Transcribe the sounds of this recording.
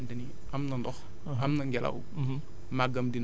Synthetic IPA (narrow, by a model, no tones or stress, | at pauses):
ndɐni | ʔɐmnɐndɔx | ɐmnɐŋɡɛlɐ̰w | maɡɐmdin